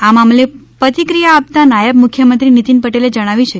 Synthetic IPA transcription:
amamlepət̪ikɾijaːp̚t̪anajəbmukʰjəmənt̪ɾinit̪inpəʈeled͡ʒəɽ̃aʋit͡ʃʰe

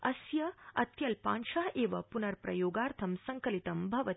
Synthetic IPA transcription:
ɐsjɐɐt̪jɐlpa̰ːnʃaːʔeːʋɐpunɐɾpɾɐ̰joːɡaːɾt̪ʰɐmsɐŋkɐlit̪ɐmbʱɐʋɐ

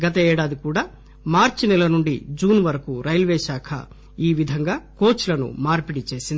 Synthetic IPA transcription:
ɡɐt̪̬ɐɛːɽaːd̪ikuːɽaː | maːɾt͡ʃinɛlɐnuɳɖḭd͡ʒuːnʋɐɾɐkuɾɐjlʋeːʃaːkʰɐ̰ | iːʋid̪ʱɐŋɡaːkoːt͡ʃulɐnṵmaːɾpiɽit͡ʃe̞ːsind̪i

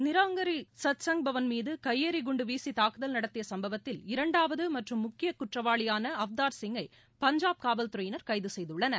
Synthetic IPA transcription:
nɪɾaːŋɡɐɾisɐt̪sɐŋɡbʱɐʋɐnmiːðɯkɐjːeːɾiɡʊɳɖɯʋiːsit̪aːkɯðɐlnɐɽɐt̪ːɪjɐsɐmbɐʋɐt̪ːɪlɪɾɐɳɖaːʋɐðɯmɐʈrɯmːʊkːɪjɐkʊʈrɐʋaːɭɪjaːnɐɐʋd̪aːɾsɪŋɡɐɪ | pɐɲd͡ʒaːb̚kaːʋɐlt̪ʊɾɐjɪnɐɾkɐɪðɯsɛjðɯɭːɐnɐ

